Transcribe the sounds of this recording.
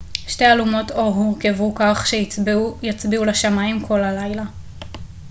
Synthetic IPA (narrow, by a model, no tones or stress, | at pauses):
ʃte̞alumo̞toɦuʁkevukaχʃejat͡sbiulaʃamaimkʰo̞lalajla